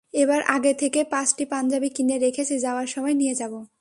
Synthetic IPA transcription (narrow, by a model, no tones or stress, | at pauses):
ebaɾʔaɡet̪ʰekepãt͡ɕʈipand͡ʑabikineɾekʰet͡ɕʰid͡ʑaoaɾʃɔmɔenijed͡ʑabo